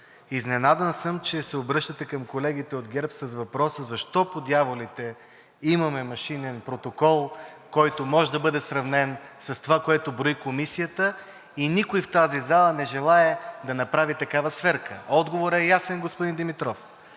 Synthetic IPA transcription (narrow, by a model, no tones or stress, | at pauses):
iznɛnad̪ənsəmt͡ʃɛsɛobɾɤʃt̪ət̪ɛkɐmkolɛɡ̟it̪ɛod̪ɡʲɛɾpsəzvɐpɾɔsəzɐʃt̪ɔpod̪javolit̪ɛ | imɐmɛmɐʃinɛnpɾot̪okɔlˠ | kɔjt̪omɔʒɛd̪ɐbɤd̪ɛsɾɐvnɛnsɐst̪ovakoɛt̪obɾoikomisijət̪ə | inikoift̪azizalˠənɛʒɛlˠaɛd̪ɐnɐpɾavit̪ɐkavɐsvɛɾkʰəɔd̪ɡovoɾɛjasɛnɡospʊd̪ind̪imit̪ɾɔf